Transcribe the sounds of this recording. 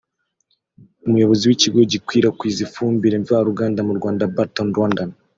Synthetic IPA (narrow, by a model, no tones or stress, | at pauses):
umujo̞βo̞ziwiciɡo̞ɟikwiːɾakwiːzifuːmbiɾeɱvahaɾuɡaːndamuɾɡwaːndabatonɾwandan